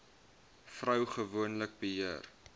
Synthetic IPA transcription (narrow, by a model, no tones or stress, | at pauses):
frœwχəvuənlək̚bəɦiər